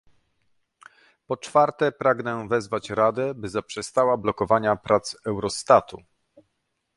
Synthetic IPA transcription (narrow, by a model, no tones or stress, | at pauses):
pɔt͡ʂfaɾt̪ɛpɾaɡnɛvɛzvat͡ɕɾad̪ɛbɘzapʂɛst̪awablɔkɔvaɲapɾat̪sɛwɾɔst̪at̪u